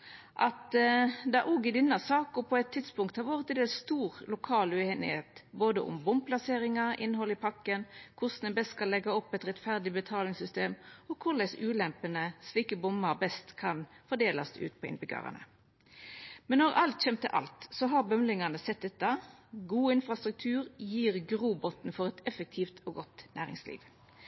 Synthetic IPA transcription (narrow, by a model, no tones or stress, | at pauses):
ʔɑt̪d̪ɑʔɔɡɪd̪ɪnːɑsɑːkʊpʰɔɛt̪ʰːɪt̪spʊŋkt̪hɑʋøːʁət̪ɛnd̪eːlst̪uːʁlʊkʰɑːlʉheːnɪ̰heːt̪boːd̪əʔʊ̰mbʊmpʰlɑseːɾɪŋɑɾɪ̰nɦɔlɪpʰɑkːənkʰʊsnɛbɛst̪skɑlːɛɡɑɔpːɛɪt̪ʁɛt̪fæʁd̪ɪbət̪ʰɑːlɪŋsʏst̪eːmɔkʰʊʁlɛsʉːlɛmpənəsliːkəbʊmːɑʁbɛst̪kʰɑnfɔd̪eːlɑsʉ̰ːt̪pʰɔɪ̰nbɪɡø̰ːʁə̰nə̰ | mɛnːɔʁɑlt̪çɛmt̪ə̰ʔɑ̰lt̪sɔɦɑbœmlɪŋɑnəsɛt̪̚d̪ɛt̪ːɑɡuːɪnfʁɑst̪ɾʉk̚t̪ʰʉːʁjiːʁɡʁuːbɔt̪nfɔʁɛt̪ɛfək̚t̪ʰiːft̪ʰɔːɡɔt̪næːʁɪ̰ŋslḭːʋ